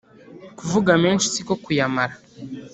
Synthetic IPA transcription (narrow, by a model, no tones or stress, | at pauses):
kuvuɡameːnʃi̥siko̞kujamaɾa